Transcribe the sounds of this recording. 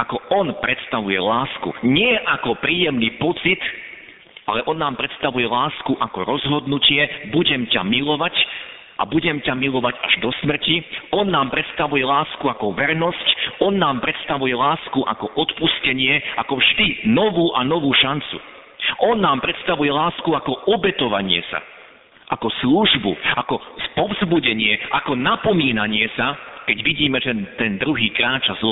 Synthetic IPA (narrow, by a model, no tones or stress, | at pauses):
akɔɔnpɾɛt̪st̪aʋujɛ̰laːskṵɲɪɛʔakɔpɾiːjɛmniːpɔt͡sit̪ | alɛʔɔnːaːmpɾɛt̪st̪aʋujɛlaːskuʔakɔɾɔzɦɔd̪nucɪɛbuɟɛmca̰milɔʋac | ʔa̰buɟɛmcamilɔʋaɟa̰ʒd̪ɔsmr̩ciɔnːaːmpɾɛt̪st̪aʋujɛlaːskuakɔʋɛɾnɔscɔnːaːmpɾɛt̪st̪aʋujɛlaːskuʔa̰kɔʔɔt̪puscɛɲɪɛʔakɔvʒd̪inɔʋuːʔanɔʋuːʃant͡sṵ | ʔɔnːaːmpɾɛt̪st̪aʋujɛlaːskuakɔʔɔbɛt̪ɔʋaɲɪɛ̰sa̰ | ʔakɔsluʒbṵakɔspɔvzbuɟɛɲɪɛʔakɔnapɔmiːnaɲɪɛsakɛɟʋiɟiːmɛʒɛt̪ɛnd̪ɾuɦiːkɾaːt͡ʃazl